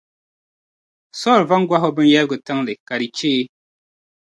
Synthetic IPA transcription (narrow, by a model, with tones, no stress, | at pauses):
sɔ˦˨ɾva˦ŋ̩˦ɡwa˦ɦɔ˦bɨ˦n˦jɛ˦lɡɨ˨ta˦ŋle˨ka˨ɾi˨t͡ʃeː˦